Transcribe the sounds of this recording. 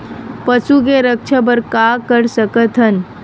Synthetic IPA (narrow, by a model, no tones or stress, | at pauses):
pəsuk̬eɾək̚t͡ʃʰab̬əɾkakəɾsəkət̪ʰɦən